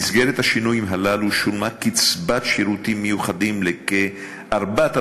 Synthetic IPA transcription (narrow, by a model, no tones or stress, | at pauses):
izɡeɾet̪haʃinujimɦalaluʃulmakit͡sbat̪ʃiɾut̪imːejuχad̪imleke | ʔaɾbat̪a